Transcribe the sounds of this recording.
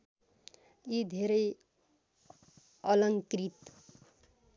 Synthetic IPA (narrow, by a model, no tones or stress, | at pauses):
jid̪ʱeɾʌj | ʌlʌŋkrit̪